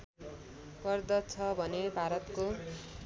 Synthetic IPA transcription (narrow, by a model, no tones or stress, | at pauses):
kʌrd̪ʌt͡sʰʌbʱʌnebʱaɾʌt̪ko